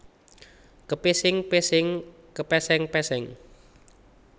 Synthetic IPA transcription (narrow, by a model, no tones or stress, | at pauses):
kəpisɪŋpesɪŋ | kəpɛsɛŋpɛsɛŋ